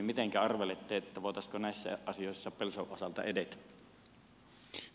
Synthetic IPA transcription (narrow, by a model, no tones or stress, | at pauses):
mit̪eŋkæɑrʋelet̪ːeːet̪ːæʋoˑet̪ɑskonæˑisːæ̰ʔɑsijoˑesːɑpelsoʔosɑlt̪ɑ̰edet̪æ̥